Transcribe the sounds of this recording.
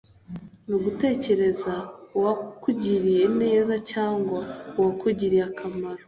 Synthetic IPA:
nuɡute̞ːce̞ɾe̞zauwakuɟiɾienejezacaːŋɡwauwakuɟiɾiakʰamaɾo

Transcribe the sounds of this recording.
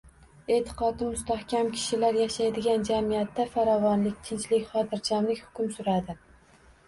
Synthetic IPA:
e̞t̪ʰɪ̥qɒd̪ɪmʊst̪ahkʲʰamkʲʰɪ̥ʃɪlaɾjaʃajd̪ɪɡʲand͡ʒamijat̪ːafaɾɒvɒnlɪk̚ʲt̪ʰɪnt͡ʃlɪkʲχɒt̪ʰɪɾt͡ʃʰamlɪkʲhʊ̥kʲʊmsʊɾad̪ɪ

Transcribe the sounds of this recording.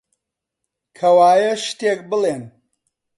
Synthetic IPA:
kʰɐwaːjɐʃt̪eːk̚bɨleːn

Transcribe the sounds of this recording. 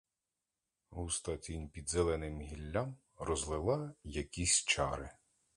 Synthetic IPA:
ɦust̪ɐt̪ʲinʲpʲid̪zɛlˠɛnɪmɦʲilʲːam | ɾɔzlˠɪlˠɑjɐkʲisʲt͡ʃɑɾɪ

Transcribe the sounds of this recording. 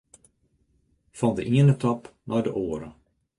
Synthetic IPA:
fɑndəʔiənətɔpnʔɔjdəʔoːəɾə

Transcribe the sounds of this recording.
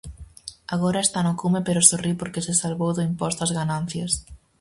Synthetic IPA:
aɣoɾɐest̪anʊkumepeɾʊsoripoɾkesɪsalβowðʊimpɔst̪ɐzɣanan̟θjɐs

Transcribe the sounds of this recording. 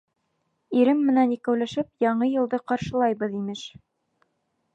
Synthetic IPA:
iɾɘmːɘ̆nænikæwlæʃɘp̚jɑɴɤjɤ̆lˠd̪ɤqɑɾʃɤ̆lˠɑjbɤðimɘʃ

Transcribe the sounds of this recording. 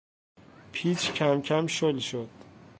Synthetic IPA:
pʰiːt͡ʃʰcʰæmcʰæmʃolʃod̪̥

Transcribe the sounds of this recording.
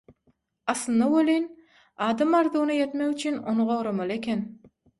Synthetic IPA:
ɑslˠɯnɑwølʲejn | ɑːd̪ɑmɑɾd̪uːnɯjet̪mekyt͡ʃʰynonuʁoɾomɑlˠekʰʲen

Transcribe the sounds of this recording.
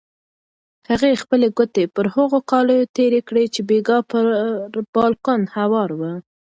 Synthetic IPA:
haɣexpəleɡʊt̪epəɾhaɣokɑləjot̪eɾekɽet͡ʃebeɡɑpəɾb̥ɑlkonhawɑɾwə

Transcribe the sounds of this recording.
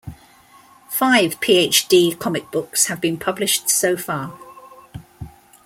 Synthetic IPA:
faɪv̥pʰiːeɪt͡ʃd̥iːkʰɒmɪk̚b̥ʊkshəvbĩnpʰʌblɪʃtsəʊfɑː

